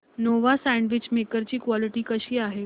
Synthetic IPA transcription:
noʋasɛɳɖʋit͡ɕmekəɾt͡ɕiːkʋɔliʈiːkəɕiːaɦe

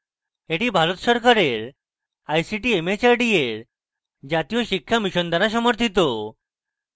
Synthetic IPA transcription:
eʈibʱaɾot̪ɕɔɾkʰaɾeɾ | ajsiʈiemet͡ɕaɾɖieɾ | d͡ʑat̪ijoɕikʰːjamiɕɔnd̪ʱaɾas̬ɔməɾt̪ʰit̪o

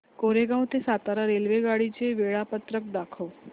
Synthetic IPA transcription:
koɾeɡãw̃t̪esat̪aɾaɾelʋeɡaɽit͡ɕeʋeɭapət̪ɾək̚d̪akʰəw

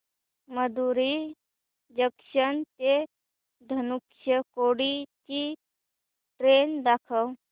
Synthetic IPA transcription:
məd̪uɾi | d͡ʒəkʃənt̪e | d̪ʱənukʃəkoɽit͡ʃi | ʈɾend̪akʰəw

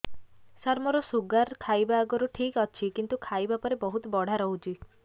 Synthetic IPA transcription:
saɾmɔɾɔsuɡaɾkʰajbaːɡɔɾuʈʰikɔt͡ʃʰikint̪ukʰajbapɔɾebɔɦut̪ɔbɔɽ̤aɾɔɦut͡ʃʰi

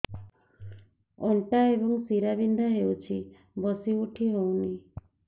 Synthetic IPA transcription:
ɔnʈaebɔŋsiɾabinɖ̪ʱaɦewt͡ʃʰi | bɔsiuʈʰiɾɔwni

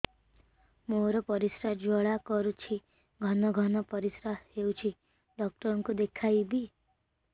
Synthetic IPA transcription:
moɾɔpɔɾisɾad͡ʒɔɭakɔɾut͡ʃʰi | ɡʱɔnɔɡʱɔnɔpɔɾisɾaɦheuwt͡ʃʰi | ɖɔk̚ʈɔɾɔŋkud̪ekʰajbi

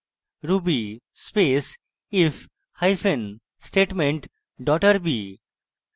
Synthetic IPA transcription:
ɾubi | spes | ɪf | haɪfʰẽn | sʈeːʈmẽɳʈ | ɖɔːʈəɾbi

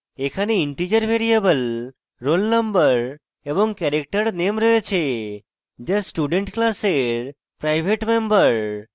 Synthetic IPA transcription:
ekʰaneiɳʈid͡ʒəɾʋʱeɾiebəl | ɾolnəmbəɾ | ebɔŋkɛɾek̚ʈəɾnemɾəɦet͡ʃʰe | d͡ʒesʈuɖeɳʈklaseɾ | pɾajbʱeʈmembəɾ

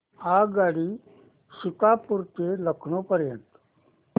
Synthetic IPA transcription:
aɡaɽiː | sikapuɾt̪eləkʰɳopəɾjənt̪

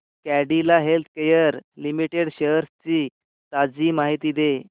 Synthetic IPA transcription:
kæɽilaɦelt̪̚ʰkejəɾlimiʈeɽɕəɾt͡ɕiː | t̪ad͡ziːmaɦit̪iːd̪e

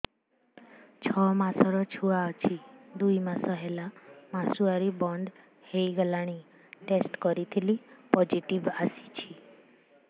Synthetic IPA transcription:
t͡ʃʰɔmasɔɾɔt͡ʃʰuaɔt͡ʃʰid̪ujmasɔɦelamasuaɾibɔɳɖ | hejɡelaɽ̃i | ʈesʈkɔɾit̪ʰilipɔd͡ʒiʈibasi̥t͡ʃʰi

